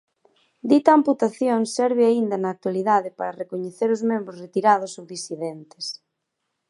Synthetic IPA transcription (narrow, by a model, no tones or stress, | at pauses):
d̪it̪aːmput̪aθjoŋsɛɾβɪaind̪ɐnaːk̚t̪waliðaðepaɾɐrekoɲeθeɾʊzmẽmbɾosret̪iɾað̞ʊsowðisiðent̪e̥s